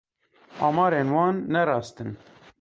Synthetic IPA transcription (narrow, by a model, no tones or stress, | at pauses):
ɑːmɑːɾeːnwɑːnːɛɾɑːst̪ɨn